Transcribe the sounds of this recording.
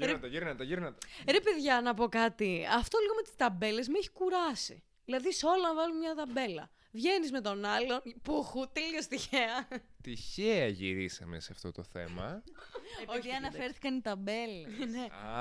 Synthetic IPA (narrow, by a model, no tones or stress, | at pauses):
ɾeɐt̪ɐʝiɾnɐt̪eʝiɾnɐt̪eɾepeðʝɐnɐpo̞kɐt̪iɐft̪o̞liɣo̞me̞t̪i̥st̪ɐbe̞le̞zmeçi̥kuɾɐsḭ | ðilɐðiso̞lɐnvɐlunmɲɐt̪ɐbe̞lɐ̰ | vʝe̞nizme̞t̪o̞nɐlo̞npuxut̪eliost̪içeɐt̪içeɐʝḭɾisɐ̰meseɐft̪o̞t̪o̞θe̞̰mɐ̰ | eiðiɐnɐffeɾθi̥kɐnit̪ɐbelene